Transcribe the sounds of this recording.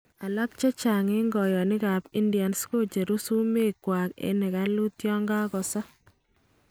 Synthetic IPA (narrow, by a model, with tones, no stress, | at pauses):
a˨la˦k̚t͡ʃe˦t͡ʃa˨ŋɪ˦ŋɡɔ˨jɔ˨nɪ˦ka˨pi˦ndja˨nsko˦t͡ʃe˨ɾu˦su˦me˦kwa˨kḛ˨˦nɛ˨ka˦lu˦tjɔ˦ŋɡa˦kɔ˨sa˦